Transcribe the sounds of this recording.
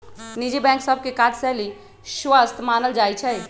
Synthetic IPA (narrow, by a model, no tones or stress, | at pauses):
nid͡ʒibɛ̃ksəbʱkekad͡ʒsɛli | sʋəst̪ʰmanəld͡ʒajt͡ʃʰɛ